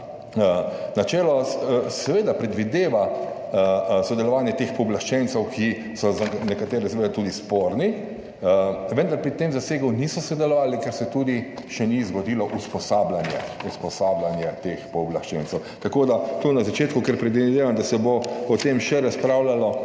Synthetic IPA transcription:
ənat͡ʃɛːlɔssɛʋeːd̪apɾɛd̪ʋid̪eːʋa | sɔd̪ɛlɔʋaːnjɛt̪expɔblaʃt͡ʃɛnt̪sɛwkʰi | sɔzanɛkat̪eːɾɛsɛʋeːd̪at̪ud̪ispoːɾni | əʋənd̪aɾpɾit̪emzaseːɡəwnisɔsɔd̪ɛlɔʋaːlikɛɾsɛt̪uːd̪iʃɛnizɡɔd̪iːlɔʔuspɔsaːblanjɛ̰uspɔsaːblanjɛt̪expɔblaʃt͡ʃɛnt͡s̪ɛwt̪akoːd̪at̪unazat͡ʃeːt̪kukɛɾpɾɛd̪ʋid̪eːʋand̪asɛboɔt̪emʃɛɾaspɾawlalɔ

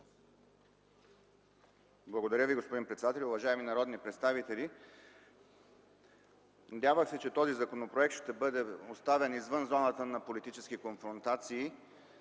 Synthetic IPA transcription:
blˠɐɡod̪ɐɾʲəviɡospod̪inpɾɛt̪sɛd̪at̪ɛlʲʊvɐʒaɛminɐɾɔd̪nipɾɛt̪st̪avit̪ɛlʲi | nɐd̪ʲjavəxsɛt͡ʃɛt̪ɔzizɐkonopɾoɛk̚t̪ʃt̪ɛbɤd̪ɛost̪avɛnizvənzɔnət̪ənɐpolit̪it͡ʃɛsk̟ikonfɾont̪at̪siː

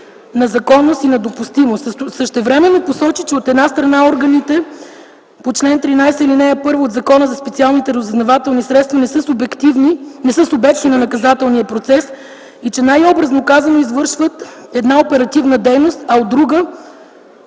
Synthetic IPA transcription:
nɐzɐkɔnːost̪inɐd̪opust̪imost̪səʃt̪ɛvɾɛmɛnːoposɔt͡ʃit͡ʃɛot̪ɛd̪nast̪ɾɐnaɔɾɡɐnit̪ɛ | pot͡ʃlɛnt̪ɾinajsəilinɛjəpɤɾvoːt̪zɐkɔnəzɐspɛt̪sialˠnit̪ɛɾɐzɐznɐvat̪ɛlˠnisɾɛt̪st̪vɐnɛsəsbkt̪ivninɛsɤsobɛksninɐnɐkɐzat̪ɛlˠnijəpɾot̪sɛs | it͡ʃɛnajɔbɾəznokazɐnoizvɤɾʃvət̪ɛd̪naopɛɾɐt̪ivnəd̪ɛjnost̪ɐod̪ɾuɡə

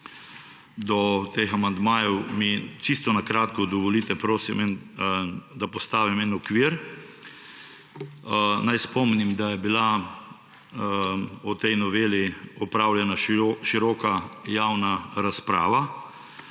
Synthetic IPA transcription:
d̪ɔt̪examand̪maːjɛwmit͡ʃist̪ɔnakɾaːt̪kɔd̪ɔʋɔliːt̪ɛpɾoːsimɛn | d̪apɔst̪aːʋimɛnɔkʋiɾ | najspɔmnimd̪ajɛbila | ɔt̪ɛjnɔʋeːliɔpɾawljɛnaʃiɾɔːkajaːwnaɾaspɾa̰ːʋa

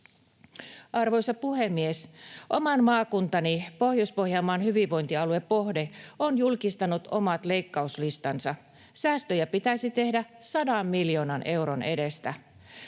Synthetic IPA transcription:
ʔɑrʋo̞jsɑpuhemːiesʔomɑnmɑːkunt̪ɑnipo̞hjospo̞hjɑːmːɑːnhyʋiʋʋo̞jnt̪iɑluepo̞hdeonjulkist̪ɑnut̪omɑt̪le̞ijkːɑuslist̪ɑnsɑ | sæːst̪øjæpit̪æjsit̪e̞hdæsɑdɑmːiljo̞ːnɑne̞wɾone̞dest̪æ

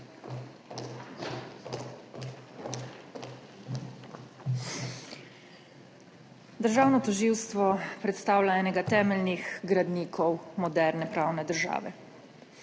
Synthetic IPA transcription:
d̪əɾʒaːwnɔt̪ɔʒiːwst̪ʋɔpɾɛt̪st̪aːwlaɛːnɛɡat̪ɛːmɛlnixɡɾad̪niːkʰɔwmɔd̪ɛɾnɛpɾaːwnɛd̪əɾʒa̰ːʋɛ

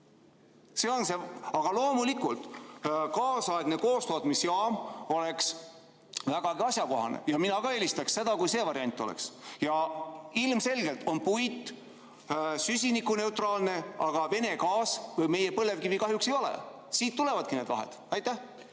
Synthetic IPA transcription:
se̞o̞nse̞ɑɡ̥ɑlo̞ːmulikult̪kɑːsɑeɡ̥ne̞ko̞ːst̪o̞ːt̪misjɑːmo̞le̞ks | væɡ̥ɑɡiɑsjɑko̞ɦɑ̰nḛjɑminɑɡ̥ɑe̞ːlist̪ɑksse̞d̪ɑkujse̞ːvɑɾiɑnʲt̪ˑːo̞lḛksjɑilmse̞lɡ̥e̞lt̪o̞npujt̪ːˑ | sysʲinikːune̞uwt̪ˑrɑːlne̞ɑɡ̥ɑve̞ne̞kɑːsvɤjme̞jepɤle̞vkivikɑɦjukse̞jo̞lḛ | siːt̪ːule̞vɑd̪̥̚kine̞d̪̥lɑ̰ɦḛd̪̥ɑjt̪ːˑæ

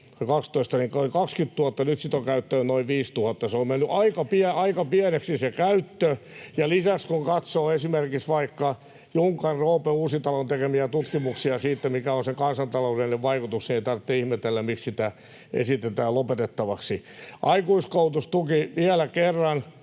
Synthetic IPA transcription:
kɑkst̪oist̪ɑniŋkoikɑkskyt̪t̪uhɑt̪ːɑnyt̪sit̪oŋkæyt̪ːæynoiʋʋiːst̪uhɑt̪ːɑseommenːyʔɑikɑpiɛɑikɑpiæneksisekæyt̪ːøjɑlisækskuŋkɑt̪soːesimerkiksʋɑikːɑ | juŋkɑrroːpeuːsit̪ɑlont̪ekemiæt̪ut̪kimuksiɑsiːt̪ːemikæonseŋkɑnsɑnt̪ɑloudeneʋʋɑikut̪uksnieit̪ɑrt̪ːeihmet̪elːæmikssit̪æ | ḛsit̪et̪æːlopet̪et̪ːɑʋɑksiʔɑikuiskout̪ust̪ukiʋiælækerːɑn

